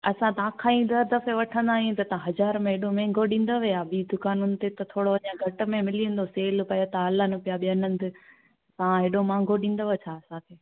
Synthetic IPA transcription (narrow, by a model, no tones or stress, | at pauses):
ɐsãt̪ɐãːkʰãĩd̪ɐɾd̪ɐfeʋɐʈʰə̃nd̪aːɦjũt̪ɐt̪ɐãɦɐzaːɾmẽɦeːɗomɛ̃ːŋɡʱoɗĩːn̆d̪oʋiaːɓiːd̪ʊkaːnʊnɪ̆t̪et̪ɐt̪ʰoːɽoɐɲãɡʱɐʈʊ̆mẽmɪliə̃nd̪oseːlpɐjot̪aɐlənɪpijaɓinə̃nd̪ɪ | t̪ɐãɦeːɗomãːŋɡʱoɗĩːn̆d̪oʋet͡ɕʰaːɐsãkʰeː